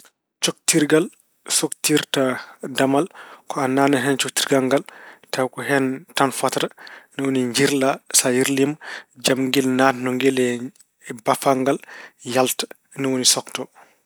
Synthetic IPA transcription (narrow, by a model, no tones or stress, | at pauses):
t͡ʃok̚tiɾɡal | soktiɾtadamalkɔanːaːnaɦɛnt͡ʃok̚tiɾɡaŋɡaltawkɔɦɛntanfatɾanɔwoniɲd͡ʒiɾlasajiɾlimd͡ʒamŋɡilnatnɔŋɡɛlɛ | bafaŋɡaljaltḁ | nɔwonisɔktɔ